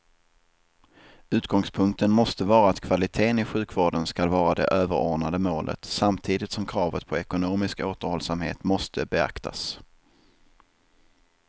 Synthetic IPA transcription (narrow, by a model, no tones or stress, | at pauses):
ʉ̟ːt̪̚ɡɔŋspʰɵŋk̚t̪ənmɔst̪əvɑːɾaːt̪kʰv̥alɪt̪ʰeːnɪɧʉ̟ːkvoːɖənskalvɑːɾad̪ɛ̰ʔøːvəɾɔ̰ːɳad̪əmoːlʔə̰t̪samt̪ʰiːd̪ɪt̪sɔmkʰɾɑːvət̪̚pʰɔɛkʊnoːmɪskoːt̪əɾhɔlsamhḛːt̪mɔst̪ʰəbɛa̰kt̪ʰa̰s